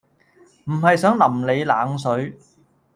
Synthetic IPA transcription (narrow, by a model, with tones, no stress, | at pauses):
m̩˨˩ɦɐ˨jsœː˨˥ŋlɐ˨˩mle˨˧jlaː˨˥ŋs̬ɵ˨˥ɥ